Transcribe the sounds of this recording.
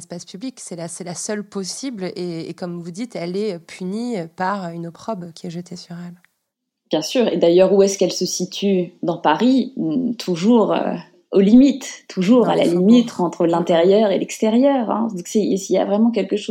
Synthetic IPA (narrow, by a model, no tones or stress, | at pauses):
ɛspaspybliksɛlasɛlasœlpɔsibleekɔmvud̪it̪ɛlɛpʰynipaʁynɔpχɔbkʲʰiɛʒət̪ʰesyʁɛl | bjɛ̃syːʁḛd̪ajœʁuɛskɛlsəsit̪ʰyd̪ɑ̃paʁit̪ʰuʒuʁø̰ | olimit̪ːʰuʒuʁala̰limit̪ɑ̃t̪χəlɛ̃t̪eʁjœʁelɛkst̪eʁjœʁɛ̰̃d̪isɛisilja̰vʁɛmɑ̃k̬ʲɛlkəʃo